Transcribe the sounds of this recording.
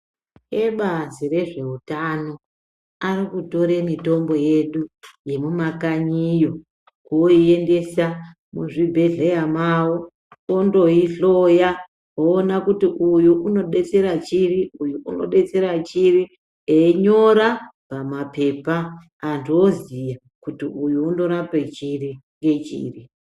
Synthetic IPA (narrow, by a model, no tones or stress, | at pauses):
eɓazire̞ʐe̞utano̞ | arikuto̞ɾemito̞mbo̞je̞ɗuje̞mumakaɲijo̞ | kuoie̞nde̞sa | muʐibʱe̞ɮejamawo | ondo̞iɬoja | oːnakutiʔujuʔuno̞ɗe̞t͡se̞ɾat͡ʃiriujuʔuno̞̰ɗe̞t͡se̞ɾat͡ʃiri | eiɲo̞ɾa | pamape̞paː | ndiozija | kutiujuːndo̞ɾapet͡ʃiriŋɡe̞t͡ʃḭːri